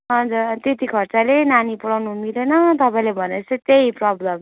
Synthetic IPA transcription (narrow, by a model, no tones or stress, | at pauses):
ɦʌnd͡zuɾt̪et̪ikʰʌrt͡salenanipuɽawnumilenʌt̪ʌpaĩlebʱʌnet͡sʌt̪eiprʌblʌm